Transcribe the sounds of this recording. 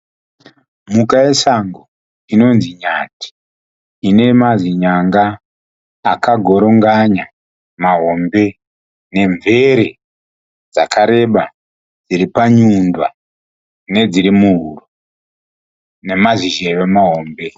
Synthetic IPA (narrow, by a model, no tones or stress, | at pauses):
mukaje̞saŋɡo | ino̞nziɲati̥ | ine̞maziɲaŋɡaː | kaɡʱo̞ɾo̞ŋɡaɲa | maɦo̞mbe̞ | ne̞ɱvʱe̞ɾe | d͡za̰kaɾe̞ɓa | d͡ziɾipaɲundwa | ne̞d͡ziɾimuɦuro | ne̞maziʒejemaɦo̞ːmbe̞